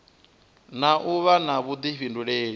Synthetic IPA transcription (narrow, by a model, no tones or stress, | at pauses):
naʔuβanaβud̪iɸinduɺeːɺi